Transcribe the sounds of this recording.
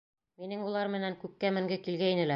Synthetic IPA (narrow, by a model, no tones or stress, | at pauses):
minɘŋulˠɑɾmɘ̆næŋkʉkːæmɘ̆ŋɡɘkilɡæinɘ̆læ